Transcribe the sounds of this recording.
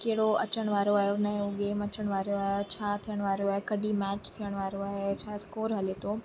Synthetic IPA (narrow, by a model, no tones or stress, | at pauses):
keɦɪɽoɐ̰t͡ɕəɽ̃ʋaːɾoaːɦjonɐɦẽʊɠeːmɐt͡ɕəɽ̃ʋaːɾjoaːɦot͡ɕʰaːt̪ʰijəɽ̃ʋaːɾjoaːɦekɐɗʱimɛːt͡ɕt̪ʰijəɽ̃ʋaːɾoaːɦet͡ɕʰaːskoːɾɦɐlet̪ʰoː